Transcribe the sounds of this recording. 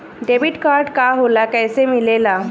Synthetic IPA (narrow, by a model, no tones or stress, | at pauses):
ɖebiʈkaɾɖkaɦolakɛjsemilela